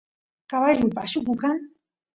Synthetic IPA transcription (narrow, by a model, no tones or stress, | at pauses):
kaβaʎupa̰ʃukukan